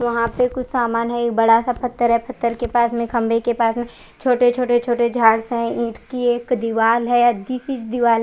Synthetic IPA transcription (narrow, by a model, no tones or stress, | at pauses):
ʋɐɦãpekʊt͡ʃʰsaːmaːnɦɛeːk̚bɐɽasapʰɐt̪ːəɾɦɛpʰɐt̪ːəɾkepaːsmẽkɐ̃mbʱekepaːsmẽ | t͡ʃʰoːʈet͡ʃʰoːʈet͡ʃʰoːʈed͡ʒʱaːɽsɦɛ̃ĩːʈkieːkd̪ɪʋaːlɦɛjad̪iːsit͡ʃd̪ɪʋaːl